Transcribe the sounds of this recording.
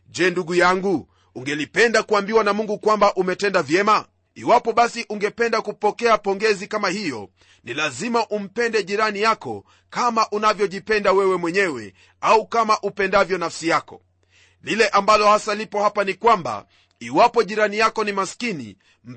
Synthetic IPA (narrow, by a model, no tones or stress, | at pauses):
ʄɛːnduɡujaŋɡuː | ŋɡɛlipɛndakuambiwanamuŋɡukwambaʔumɛtɛndavjɛma | iwapɔɓasiʔuŋɡɛpɛndakupɔkɛapɔŋɡɛzikamahijɔ̰ | nilazimaʔum̩pɛndɛʄiɾanijakɔ̰ | kamaʔunavjɔʄipɛndawɛwɛmwɛɲɛwɛ̰ | aukamaʔupɛndavjɔnafsijakɔ̰ | lilɛʔambalɔhasalipɔhapanikwamba̰ | iwapɔʄiɾanijakɔnimaskinḭ | m̩